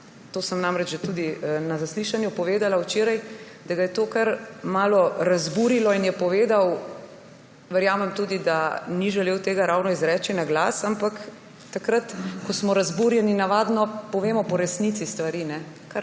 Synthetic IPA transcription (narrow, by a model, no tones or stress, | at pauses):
t̪oːsəmnamɾɛt͡ʃʒɛt̪uːd̪inazasliʃanjupɔʋeːd̪alawt͡ʃeːɾaj | d̪aɡajɛt̪oːkaɾmaːlɔɾazbuɾilɔinjɛpɔʋeːd̪aw | ʋɛɾjaːmɛmt̪uːd̪id̪aniʒɛleːwt̪eːɡaɾawnɔizɾɛːt͡ʃinaɡlasampak̪ː | akɾat̪kɔsmɔɾazbuɾjɛninaʋaːd̪nɔpɔʋeːmɔpɔɾɛsnit̪sist̪ʋaɾiːnɛ | kaɾ